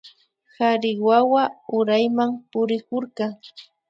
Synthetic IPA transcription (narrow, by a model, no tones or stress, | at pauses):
haɾɪwawaʊɾajmampʊɾɪkʊɾkɑŋ